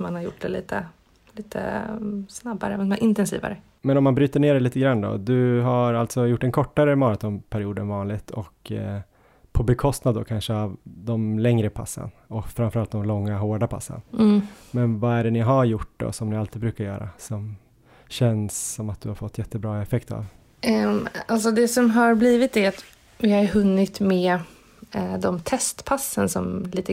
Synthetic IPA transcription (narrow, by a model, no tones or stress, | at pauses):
manhaɾjʊ̰ʈːd̪ɛliːt̪ʰə | liːt̪ʰə̰snabːa̰ɾəɛmaʔɪnt̪ɛnsḭːva̰ɾə | mɛnɔmːanbɾyːt̪əɳeːɖɛliːt̪əɡɾanːd̪ɔ̰d̪ɵɦaɾalt̪sɔjʊʈːɛnkʰɔʈːaɾəmɑːɾat̪ʰɔmpʰæɾɪuːd̪ənvɑːnlɪɡt̪ʰɔk | pʰɔbɛkʰɔst̪nad̪ːɔ̰kʰanʂəavd̪ɔmlɛŋɾəpʰa̰sːə̰nɔkfɾamfœɾalt̪̚d̪ɔmlɔŋːaɦoːɖapʰa̰sːə̰nmɛnvaæɖɛnɪɦaɾjʊʈːd̪ɔ̰sɔmnɪalt̪iːbɾʉ̟ːkaɾjœ̰ːɾa̰sɔm | ɕɛnsːɔmat̪̚d̪ɵhaɾfɔt̪ːjɛt̪ʰːəbɾɑːɛfɛkt̪a̰v | alsɔd̪ɛsɔmɦaɾbliːvɪt̪̚d̪ɛat̪ | vɪhaɾɦɵnːɪt̪mɛ | d̪ɔmt̪ʰɛst̪pʰasːənsɔ̰mliːt̪ə